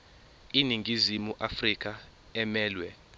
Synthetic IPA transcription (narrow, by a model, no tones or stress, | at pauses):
iniŋɡʱizimuʔafrik̬ʰʼa | ɛmɛːlwɛ